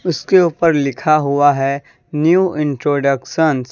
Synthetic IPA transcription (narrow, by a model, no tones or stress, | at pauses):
ʊskeuːpəɾlɪkʰaɦʊaɦɛ | njuːʔɪ̃ɳʈɾoːɖəkʃəns